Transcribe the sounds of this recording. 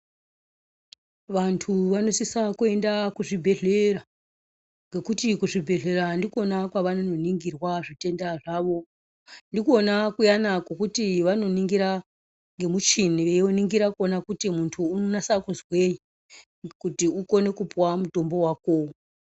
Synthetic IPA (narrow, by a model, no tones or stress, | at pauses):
ʋantʰuʋano̞sisakue̞ndakuʐibʱe̞ɮe̞ra | ŋɡe̞kutikuʐibʱe̞ɮe̞ɾandikuo̞nakwaʋanono̞niŋɡirwaʐite̞ndaʐaʋo̞ | ndikuonakujanakwokutiʋano̞niŋɡiɾa | ŋɡe̞mut͡ʃiniʋeoniŋɡiɾakuonakutimuntʰuːnonasakuzweji | kutiuko̞ne̞kupwamuto̞mbo̞waːko̞